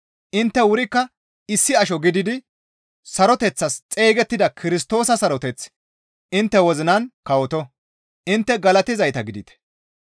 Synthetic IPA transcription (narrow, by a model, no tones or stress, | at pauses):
ʔɪnt̪ːɛwʊɾɪkːɐ | ɪsːɪɐʃɔɡɪd̪ɪd̪ɪ | sɐɾɔt̪ɛt͡sːɐst͡sʼe̞ːɡɛt̪ːɪd̪ɐkʰɪɾɪs̬t̪o̞ːsɐsɐɾɔt̪ɛt͡s | ʔɪnt̪ːɛwɔzɪnɐnkɐwɔt̪ɔ | ʔɪnt̪ːɛɡɐlɐt̪ɪzɐjt̪ɐɡɪd̪ɪt̪ɛ̥